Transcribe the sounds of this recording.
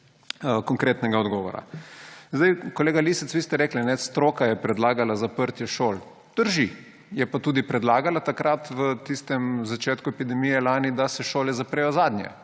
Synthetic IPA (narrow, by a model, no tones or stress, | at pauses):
əkɔŋkɾet̪nɛɡaɔd̪ɡɔʋɔ̰ɾa̰zd̪ajkoleːɡalisɛt̪sʋiːst̪ɛɾeːklinɛst̪ɾoːkajɛpɾɛd̪laːɡalazapəɾt̪jɛʃol | d̪̥əɾʒi | jɛpat̪uːd̪ipɾɛd̪laːɡalat̪akɾat̪ʋət̪ist̪ɛmzat͡ʃeːt̪kuɛpid̪ɛmijɛlaːnid̪asɛʃoːlɛzapɾeːjɔzaːd̪nʲjɛ̰